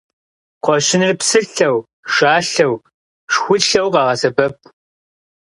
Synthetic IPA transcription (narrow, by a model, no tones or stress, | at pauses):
qʷɔɕɪnrpsɨɬɐw | ʂaːɬɐw | ʂxʷʊɬɐwqɑːʁɐsɐbɐp̚ʰʼ